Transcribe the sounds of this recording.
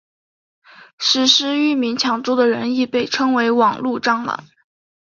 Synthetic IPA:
ʂɻ̩˥˩ʂɻ̩˥y˥˩mi˧˥nt͡ɕʰjɑ˧˥ŋʈ͡ʂu˥d̪ə˨ɻə˧˥ni˥˧pe˥˩ɪʈ͡ʂʰɤ˥ŋwe˧˥ɪwɑ˨˩ŋlu˥˧ʈ͡ʂɑ˥˩ŋlə̰˧˩˦

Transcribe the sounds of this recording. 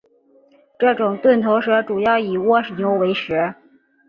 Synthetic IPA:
ʈ͡ʂɤ˥˩ʈ͡ʂʊ˨˩ŋt̪wə˥˩nt̪ʰo˧˥ʊʂɤ˧˥ʈ͡ʂu˨˩jɑ˥˩ʊi˨˩wɔ˥ʂnjo˧˥ʊwe˧˥ɪʂɻ̩˧˥

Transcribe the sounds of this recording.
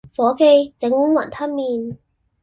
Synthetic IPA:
fɔː˨˥ke˧jt͡sɪ˨˥ŋu˥ŋwɐ̰˨˩nt̪ʰɐ˥nmiː˨˧n

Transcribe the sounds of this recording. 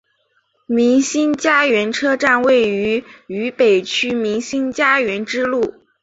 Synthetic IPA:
mi˧˥ŋɕi˥nt͡ɕja˥ɥɛ˧˥nʈ͡ʂʰɤ˥ʈ͡ʂa˥˧nwe˥˩ɪy˧˥y˧˥pe˨˩ɪt͡ɕʰy˥mi˧˥ŋɕi˥nt͡ɕja˥ɥɛ˧˥nʈ͡ʂɻ̩˥lu˥˩

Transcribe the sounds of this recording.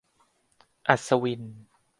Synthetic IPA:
ʔa˧˩sa˧wi˧n

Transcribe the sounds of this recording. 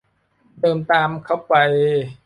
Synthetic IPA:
t̪ɤː˧mt̪aː˧mkʰa˥˩wpa˧j

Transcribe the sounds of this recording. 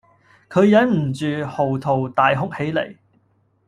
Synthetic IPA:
kʰɵ˨˧ɥjɐ˨˥nm̩˨˩t͡ʃyː˨ho˨˩wt̪ʰo˨˩wt̪aː˨jɦʊ˥k̚he˨˥jlḛ˨˩j

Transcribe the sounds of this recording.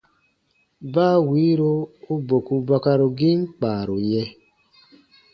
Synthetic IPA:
baː˦wiː˨˦ɾo˦o˦bo˨ku˧ba˦ka˧ɾo˨ɡi˦ŋ˦k͡paː˨ɾo˨jɛ˧

